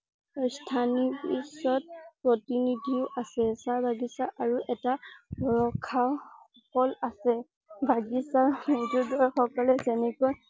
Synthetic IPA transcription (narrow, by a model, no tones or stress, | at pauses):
stʰanipisɔt̚pɹotinidʱiʊʔasɛsaɹbʱaɡisaʔaɹuʔɛtaɔɹɔkʰːaʊ | ɔkɔlasɛ | bʱaɡisamodudɔɹxɔkɔlɛzɛnɛkɔj